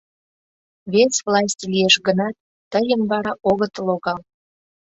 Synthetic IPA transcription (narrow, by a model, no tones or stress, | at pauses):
βesvlˠɑs̬ʲtʲlijeʃɡənɑt̪ːəjəmbɑɾɑʔoɣət̪loɣɑl